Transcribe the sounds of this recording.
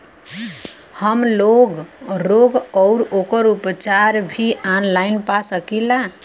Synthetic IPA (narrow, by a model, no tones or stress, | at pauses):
həmloɡɾoɡʌwɾokəɾupt͡ʃaɾbʱianlajnpasəkila